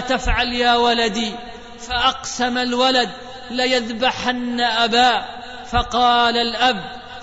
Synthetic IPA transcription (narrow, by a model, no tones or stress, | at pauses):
t̪afʕaljaːwalad̪iː | faʔɑqsamalwalad̪ | lajaðbaħanːaʔabaː | fɑqɑːlalʔab